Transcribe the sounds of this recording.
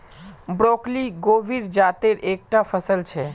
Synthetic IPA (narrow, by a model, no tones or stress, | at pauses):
bɾokliɡoʋiɾd͡ʒat̪eɾek̚ʈafəsəlt͡ʃʰe